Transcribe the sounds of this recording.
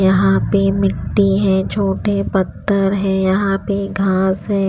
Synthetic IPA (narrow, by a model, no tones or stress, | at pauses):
jɐɦãpemɪʈːiɦɛ̃ːt͡ʃʰoːʈepɐt̪ːəɾɦɛ̃jɐɦãpeɡʱaːsɦɛ̃ː